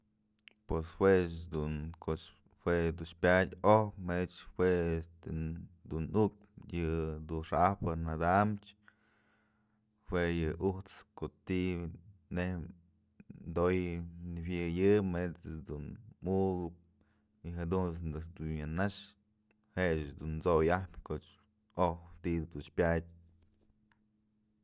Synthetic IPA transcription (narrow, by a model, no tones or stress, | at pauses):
pweswet͡ʃd̪unkot͡ʃ | hwed̪unʃpʲadʲohpmeet͡ʃhweest̪ed̪unuk̚ | jɨd̪uʂahpɨnad̪amt͡ʃ | weʔjɨʔuht͡skot̪ineh | nd̪ojnɨbʲjɨjɨmet͡sɨd̪unmuʔɡɨp̚ | iɦad̪unsd̪ɨsd̪unjanaʂ | heʔt͡ʃd̪unt͡sojahpʲkoʔt͡ʃ | oht̪id̪d̪unʃpʲadʲ